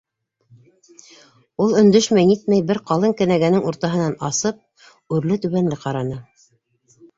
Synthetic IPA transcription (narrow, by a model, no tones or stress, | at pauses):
ulˠɵ̆nd̪ɵʃmæjnit̪̚mæjbɘɾqɑlˠɤŋkɘ̆næɡænɘŋuɾt̪ɑɦɤ̆nɑnɑsɤp̚ | ʉɾlɘt̪ʉβænlɘqɑɾɑnɤ